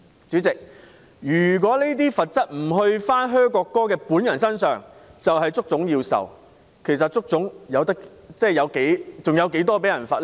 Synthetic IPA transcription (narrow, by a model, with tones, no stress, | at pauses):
t͡syː˨˥t͡sɪ˨k̚ | jyː˨˩k̬ɔː˨˥ne˥t̪iː˥fɐ˨t̚t͡sɐ˥t̚m̩˨˩ɦɵ˧ɥfaː˥nɦœː˥ŋkɔː˧kːɔː˥kɛː˧puː˨˥njɐ˨˩nsɐ˥nsœ̰ː˨ŋt͡sɐ˨wɦɐ˨jt͡sʊ˥k̚t͡sʊ˨˥ŋjiː˧wsɐ̰˨w | kʰe˨˩js̬ɐ˨t̚t͡sʊ˥k̚t͡sʊ˨˥ŋjɐ˨˧wt̪̬ɐ˥k | t͡sɛː˥˩jɐ˨˧wke˨˥jt͡sʊ˨ŋjɐ˨˧wke˨˥jt̪ɔː˥p̬e˨˥jɐ˨˩nfɐː˨˧tlɛ˥